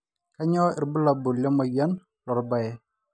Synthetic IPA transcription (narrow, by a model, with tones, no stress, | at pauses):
ka˦ɲɔ˦i˨ɾbu˦la˨bu˨lja˦ma˨ja˦n | lɔ˨ɾba˨jɛ˦